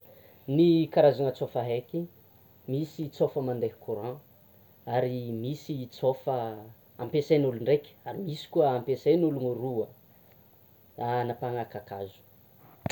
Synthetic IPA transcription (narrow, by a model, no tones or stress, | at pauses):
nikaɾazaŋət͡sofaɦeki | misit͡sofəmand̪eɦi̥kʰuɾã | aɾimisit͡sofə | ãmpesenuluɳɖ͡ʐekʲə̥aɾimisi̥kuəampesenuluŋəɾuə | anapaŋakakazu̥